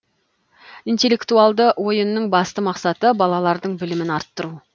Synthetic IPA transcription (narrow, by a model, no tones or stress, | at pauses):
ijnt̪e̞lːe̞kt̪ualˠd̪əwo̞jənːəɴbɑst̪əmɑqsɑt̪əbɑlˠɑlˠɑɾd̪əɴbɪlɪmɪnɑɾt̪ːəɾu